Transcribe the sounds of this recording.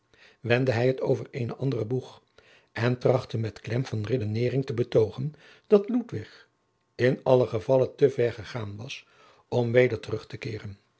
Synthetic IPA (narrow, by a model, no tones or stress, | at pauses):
ʋɛndəɦɛjɦətowvəɹejnəʔɑndərəbuχ | ʔɛntrɑχtəmɛtklɛmvɑnredənɪːrɪŋtəbətowχən | d̥ɑtlutʋɪχ | ɪnɑləχəvɑləntəvɛɹχəχaːnʋɑs | ɔmʋejdəɹtərɵχtəkɪːrən